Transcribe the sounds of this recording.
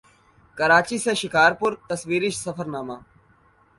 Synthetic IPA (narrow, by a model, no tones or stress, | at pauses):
kəɾaːt͡ʃiːsẽːʃɪkaːɾpʊɾt̪əsʋiːɾɪʃsəfʰəɾnaːmaː